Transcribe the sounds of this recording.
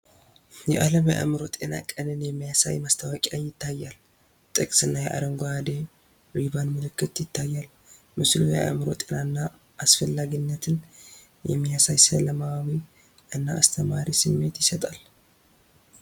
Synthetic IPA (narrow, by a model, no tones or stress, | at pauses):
jɛʔaləmjaʔa̰mɨɾo̞t̪ʼe̞na̰kʼənɨnjɛmːijasa̰jmast̪ʰawakʼajɪt̪ːajːal | t̪ʼɨkʼsɨnːajɛʔa̰d̪əŋɡoad̪e | wiβanmɨlɨkːɨt̪jɪt̪ʰːajːal | mɨslojɛ̰ʔa̰mɨɾo̞̰t̪ʼenanːa | ʔːsfəlːaɡinːət̪ʰɨn | jɛ̰mːijasajsələmawaβi | ʔɨnːaːst̪ʰəmaɾisɨmːe̞t̪jɪsət̪ʼal